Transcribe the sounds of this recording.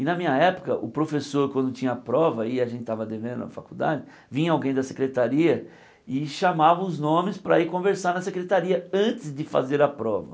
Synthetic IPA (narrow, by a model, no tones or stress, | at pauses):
ɪnɐmĩɲɐɛpʊ̥kɐʔʊpɾofesoɾkwɐ̃nd̪ʊt͡ʃĩɲɐːpɾɔvɐɪaʒẽt̪ɪt̪avɐd̪evẽd̪ʊ̰ɐ̰fakud̪a̰d͡ʒɪ | vĩɐawɡẽj̃d̪ɐsekɾet̪aɾiɐ | ɪʃamavɐʊznõmɪspɾɐikõveɾsaɾnɐsekɾet̪aɾiɐɐ̃t̪ɪzd̪ɪfa̰zeɾɐpɾɔvɐ